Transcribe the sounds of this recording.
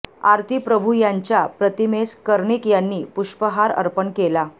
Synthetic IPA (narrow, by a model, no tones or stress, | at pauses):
aɾt̪ʰipɾəbʱujaɲt͡ɕjapɾət̪imeskəɾɳikjanːiːpuʂpəɦaɾə̰ɾpənkela